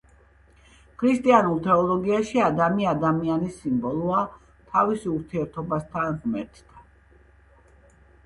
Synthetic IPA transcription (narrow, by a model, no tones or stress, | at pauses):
kʰɾist̪ʼianulˠt̪ʰɛɔlˠɔɡiaʃiad̪amiad̪amianisimbɔlˠua | t̪ʰavisuɾt̪ʰiɛɾt̪ʰɔbast̪ʰanʁmɛɾt̪ʰd̪̥a